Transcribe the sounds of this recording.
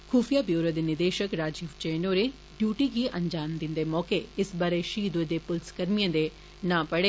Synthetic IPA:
kʰuːfʰijaːbjoːɾod̪eːnɪɾd̪eːʃəkɾaːd͡ʒiːʋt͡ʃeːnoːɾeː | ɖjuːʈiɡiʔɐ̃ɲd͡ʒaːmd̪ɪnd̪eːmɔːkeɪsbaːɾeʃiːd̪ed̪eːpʊlskəɾmijãd̪e | nãːpəɽeː

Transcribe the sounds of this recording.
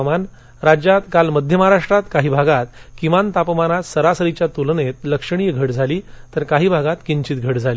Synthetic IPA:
man | ɾad͡ʑjat̪kalməd̪ʱjəmaaɾaʂʈɾat̪kaɦiːbʱaɡat̪̚kimant̪apmanat̪səɾasəɾit͡ɕjat̪ulnet̪̚ləkʂəɳ̃iːɡʱəʈd͡zʱaliːt̪əɾkaɦiːbʱaɡat̪kiɲt͡ɕiːt̪̚ɡʱəʈd͡zʱali

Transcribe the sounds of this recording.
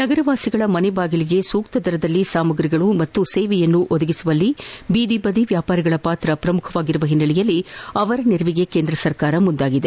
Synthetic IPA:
nɐɡɐɾɐʋaːsiɡɐɭɐmɐnɛbaːɡiliɡe̞suːkt̪ɐd̪ɐɾɐd̪ɐlːisaːmɐɡɾiɡɐɭumɐt̪ːuseːʋɛjɐnːuʔod̪ɐɡisuʋɐlːibiːd̪ibɐd̪iʋjaːpaːɾiɡɐɭɐpaːt̪ɾɐpɾɐmukʰɐʋaːɡiɾuʋɐɦinːɐlijɐlːiɐʋɐɾɐniɾʋiɡe̞keːnd̪ɾɐsɐɾkaːɾɐmund̪aːɡid̪e

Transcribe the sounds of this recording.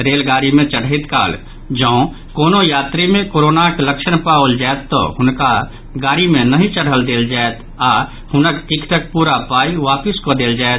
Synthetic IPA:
ɾeːlɡaːɾimẽt͡ʃəɽ̤ɪt̪ka̰ːl | d͡ʒə̃ʊ̃ | koːnojaːt̪ɾimẽkoːɾoːnakləkʃənpaːəld͡ʒaet̪ːo̰ɦʊnka | ɡaːɾimẽnəɦĩt͡ʃəɽ̤əld̪eːld͡ʒaːet̪ | a | hʊnəkt̪ikʰt̪ək̚puːɾapaːiʋaːpɪskod̪eːld͡ʒaːet̪

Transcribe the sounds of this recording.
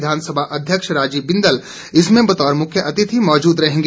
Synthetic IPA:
d̪ʱaːnsəbʱaʔɐd̪ʱjəkʃɾaːd͡ʒiːbɪ̃nd̪əl | ɪsmẽbɐt̪ɔːɾmʊkʰjəʔɐt̪ɪt̪ʰimɔːd͡ʒuːd̪ɾɐɦẽːŋɡ

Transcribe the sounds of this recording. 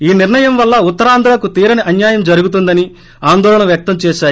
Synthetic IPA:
iːniɾɳɐjɐmʋɐlːɐut̪ːɐɾaːnd̪ʱɾaːkut̪iːɾɐniʔɐnjaːjɐmd͡ʒɐɾuɡut̪̬und̪ɐni | aːnd̪ɔːlɐɳɐʋjɐk̚t̪ɐmt͡ʃɛːʃaːj

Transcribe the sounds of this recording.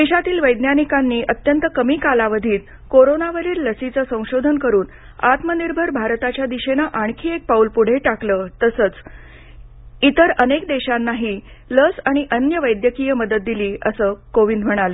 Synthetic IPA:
d̪eɕat̪iːlʋəjd̪njanikanːiːʔət̪jənt̪əkəmiːkalaʋəd̪ʱiːt̪ | koɾonaʋəɾiːɾləsit͡səsə̃w̃ɕod̪ʱənkəɾuːn | at̪məniɾbʱəɾbʱaɾt̪at͡ɕjad̪iɕenəʔaɳkʰiːek̚paulpuɽ̤eʈakləːt̪əsəːt͡s | it̪əɾənek̚d̪eɕanːaɦiː | ləsaɽ̃iʔənjəʋəjd̪jəkijəməd̪ət̪̚d̪iliːəsəːkoʋind̪m̤əɽ̃aləː

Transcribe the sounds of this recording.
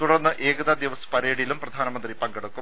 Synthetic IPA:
t̪uɽɐrnːɨʔe̞ːɡɐðɐd̪iʋɐsɐ̥pɐɾeːɽijilumprɐd̪ʱaːnɐmɐnd̪ripɐŋɡɐɽɐkːum

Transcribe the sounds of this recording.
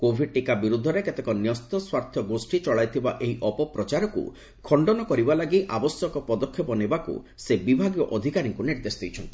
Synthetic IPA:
kobʱiɖ̚ʈikabiɾud̪ʱːɔɾeket̪ekɔnjɔst̪ɔswaɾt̪ʰjɔɡosʈit͡ʃɔɭajt̪ʰiba̰ʔeɦiʔɔpɔpɾɔt͡ʃaɾɔkṵ | kʰɔɳɖɔnɔkɔɾibalaɡiʔabɔsjɔkɔpɔd̪ɔkʰːjɔpɔnebakṵ | sebibʱaɡjɔʔɔd̪ʱikaɾiŋkuniɾd̪esɔd̪ejt͡ʃʰɔnt̪i̥

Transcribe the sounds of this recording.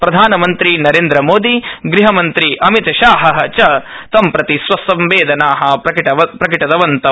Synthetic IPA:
pɾɐd̪ʱaːnɐmɐnt̪ɾinɐɾeːnd̪ɾɐmoːd̪iɡɾiɦɐmɐnt̪ɾiʔɐmit̪ɐʃaːɦɐɦɐt͡ʃɐ | t̪ɐmpɾɐt̪isʋɐsɐmʋeːd̪ʱɐnaːɦɐ̆ɐʈɐɐpɾɐkiʈɐd̪ɐʋɐnt̪ɐ

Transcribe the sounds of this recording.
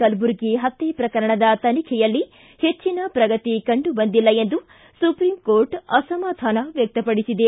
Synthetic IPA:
kɐlbuɾɡeɦɐt̪ːepɾɐkɐɾɐɳɐd̪ɐt̪ɐnikʰɛjɐlːi | het͡ʃːinɐpɾɐɡɐt̪ikɐɳɖubɐnd̪ilːɐe̞nd̪u | supɾiːmkoːɾʈɐsɐmɐt̪ʰaːnɐʋjɐk̚t̪ɐpɐɽisid̪e

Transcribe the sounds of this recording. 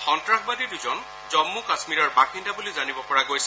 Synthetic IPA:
xɔntɹakbadiduzɔn | zɔmːukasmiɹɔɹbaxindabulizanibɔpɔɹaɡojsɛ

